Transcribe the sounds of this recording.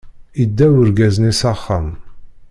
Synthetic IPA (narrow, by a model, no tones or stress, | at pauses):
id̪ːæwəɾɡæznisɑχːɑm